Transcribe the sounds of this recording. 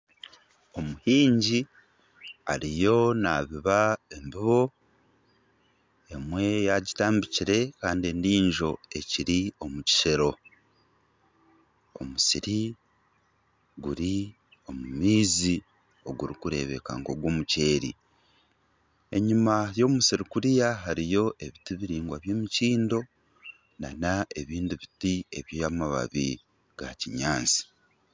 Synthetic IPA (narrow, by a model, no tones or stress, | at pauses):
o̞muhiːɲɟi | a̰ɾijo̞naːβiβae̞mbiβo̞ | e̞mwe̞jaɟitaːmbiciɾe̞kaːndie̞ndiːɲʒo̞e̞ciɾio̞muci̥ʃe̞ɾo̞ | o̰musiɾi | ɡuɾi | o̞mumiːzi | o̞ɡuɾikuɾe̞̰βe̞̰ka̰ŋɡo̞ɡwo̞ːmuce̞ːɾḭ | e̞ɲimajo̞ːmusiɾikuɾijaɦaɾijo̞ʔe̞βitiβiɾiːŋɡwaβje̞ːmiciːndo̞ | nanae̞βiːndiβitie̞̰βjamaβa̰βḭ | ɡ̥a̰ciɲaːnsi̥